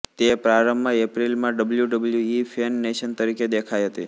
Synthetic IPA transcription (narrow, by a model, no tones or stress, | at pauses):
t̪epɾaɾəmbaepɾilmãɖəbəljuɖəbəljuifʰenːeʃənt̪əɾiked̪ekʰajɦət̪i